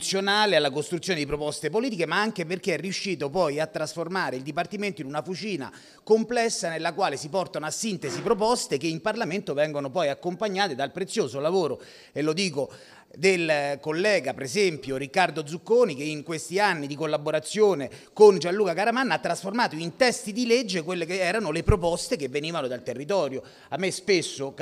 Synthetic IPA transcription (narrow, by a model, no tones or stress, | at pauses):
sːjonaːlealːakost̪ɾut̪sːjoːned̪ipɾopɔst̪epoliːt̪ikemaaŋkeperk̟eɛrːiuʃːiːt̪̬opɔjat̪ːɾasformaːɾeild̪ipart̪iment̪oinunafut͡ʃiːna̰ | komplɛsːanelːakwaːlesipɔrt̪anoasːint̪ezipɾop̬ɔst̪ekeimparlament̪ovɛŋɡonopɔjakːompaɲːaːt̪ed̪alpɾet̪sːjoːzolavoːɾo | elːod̪iːko | d̪elkolːɛːɡapeɾezɛmpjoɾikːard̪od̪zukːoːnikeiŋkwest̪ianːid̪ikolːaboɾat̪sːjoːnekond͡ʒanluːkakaɾamanːaat̪ːɾasformaːt̪oint̪ɛst̪id̪iled͡ʒːek̬welːekeɛːɾanolepɾopɔst̪ekevːeniːvanod̪alt̪erːit̪̬ɔːɾjo | amːespesːo